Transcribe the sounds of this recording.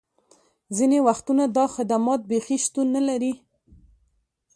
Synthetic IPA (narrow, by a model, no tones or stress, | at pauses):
zinewaxt̪unad̪ɑxɪd̪amɑt̪̚bexiʃt̪unːalaɾi